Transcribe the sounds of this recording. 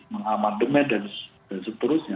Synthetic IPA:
məŋamandəmɛndan | dansət̪əɾʊsɲa

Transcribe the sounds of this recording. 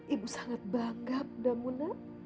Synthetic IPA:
ibusaŋat̪̚baŋɡap̚damuna

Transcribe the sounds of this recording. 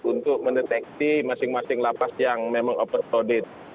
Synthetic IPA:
unt̪ʊk̚məndɛt̪ɛk̚simasɪŋmasɪŋlapasjaŋmemaŋopər̚sodɪt̪̚

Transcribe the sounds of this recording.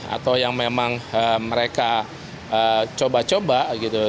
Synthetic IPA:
a̰t̪awjaŋmemaŋəməɾeka | ət͡ʃobat͡ʃobaɡit̪u

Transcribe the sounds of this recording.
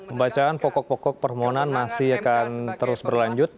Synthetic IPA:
məmbat͡ʃaːnpɔkɔk̚pɔkɔk̚pərmoɦɔnanmasɪhakant̪əɾʊsbərlaɲd͡ʒʊt̪̚

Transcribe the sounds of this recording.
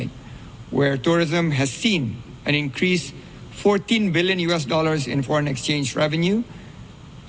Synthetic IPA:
t̚ | wɛɹtuɹɪzə̃mɦɛzːĩn | ʔɛ̃nɪ̃nkʰɹis | fɔɹtĩnbɪljə̃njuɛs̬dɔləɹsɪ̰̃nfɔɹə̃nɛkst͡ʃẽnd͡ʒɹɛvə̃nju

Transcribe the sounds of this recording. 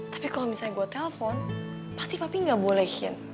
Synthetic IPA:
t̪ḁpikalomisaɲɛɡuat̪ːɛlɛfɔn | past̪ipapiŋɡabolɛhɪ̰n

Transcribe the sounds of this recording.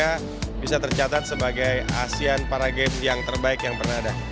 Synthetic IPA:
a | bisat̪ərt͡ʃat̪at̪̚səbaɡaja̰sianpaɾaɡɛpjaŋt̪ərbaɪkjaŋpərnaada

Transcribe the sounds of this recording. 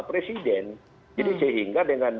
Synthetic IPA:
pɾesidɛn | d͡ʒadisəɦiŋɡadəŋan

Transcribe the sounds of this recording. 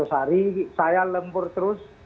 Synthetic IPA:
ʊsaɾisajaləmbʊrt̪əɾʊs

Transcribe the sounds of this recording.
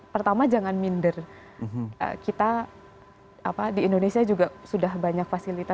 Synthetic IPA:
pərt̪amad͡ʒaŋanmindər | ʔə̰kit̪a | apadiːndonesiad͡ʒuɡasudahbaɲakfasilit̪a

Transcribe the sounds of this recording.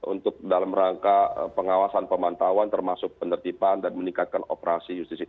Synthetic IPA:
ṵnt̪ʊk̚dalamɾaŋkapəŋawasanpəmant̪awant̪ərmasʊk̚pənərt̪ipandanməniŋkat̪̚kano̰pəɾasijust̪isi

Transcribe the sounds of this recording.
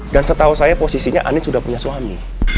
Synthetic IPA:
dansət̪ausajaposisiɲa̰ʔa̰nɪt̪sudahpuɲaswami

